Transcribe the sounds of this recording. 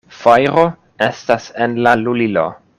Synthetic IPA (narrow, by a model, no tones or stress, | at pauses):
fajɾo | e̞stasenlalulilo̰